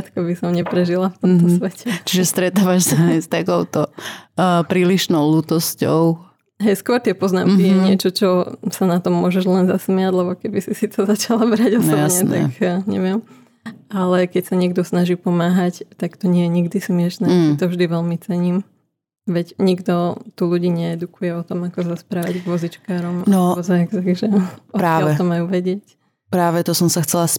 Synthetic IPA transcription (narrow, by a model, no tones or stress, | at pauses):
at̪kɔbisɔmɲɛpɾɛʒilaft̪ɔmt̪ɔsʋɛcɛt͡ʃiʒɛst̪ɾɛt̪aːʋaʃsast̪akɔʊt̪ɔ | pɾiːliʃnɔʊluːt̪ɔscɔʊ | ɦɛjskʊɔɾt̪ɪɛpɔzna̰mkijɛɲɪɛt͡ʃɔt͡ʃɔsanat̪ɔmːʊɔʒɛʒlɛnzasmɪaɟlɛbɔkɛbisisit̪ɔzat͡ʃalabɾaɟɔsɔjbɲɛnt̪akɲɛ̰ʋɪɛm | alɛkɛcsaɲɪɛɡd̪ɔsnaʒiːpɔmaːɦact̪akt̪ɔɲɪɛjɛɲiɡd̪ismɪɛʃnɛit̪ɔvʒd̪iʋɛlmit͡sɛɲiːm | ʋɛɟɲiɡd̪ɔt̪uluɟiːɲɛɛd̪ukujɛɔt̪ɔmakɔzaspɾaːʋaɟɡʋɔzit͡ʃkaːɾɔmnɔɔzaɛɡt̪aɡʒɛɔɾaːɛt̪ɔmajuʋɛɟɪɛc | pɾaːʋɛt̪ɔsɔmsaxt͡sɛlas